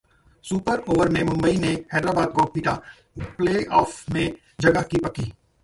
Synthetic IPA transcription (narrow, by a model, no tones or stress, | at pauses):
suːpəɾoːʋəɾmẽmʊ̃mbəinehɛːd̪ɾaːbaːd̪̚koːpiːʈa | pleːʔɔːfmẽ | d͡ʒɐɡəkipɐkiː